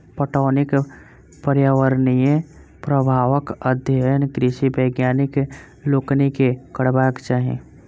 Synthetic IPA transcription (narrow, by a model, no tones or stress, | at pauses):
pəʈɔːnɪk | pəɾjaːʋəɾnijẽ | pɾəbʱaːʋəkəd̪ʱjəənkɾɪʃibəjɡjaːnɪk | loːknikekəɽbaːkt͡ʃaɦḛ̃ː